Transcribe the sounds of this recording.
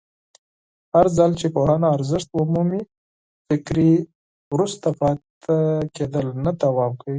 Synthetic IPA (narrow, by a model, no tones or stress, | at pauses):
haɾzalt͡ʃepohanaaɾzɪʂt̪ʊmumi | fɪkɾi | wɾust̪apɑt̪ | aked̪əlnad̪awɑmkawi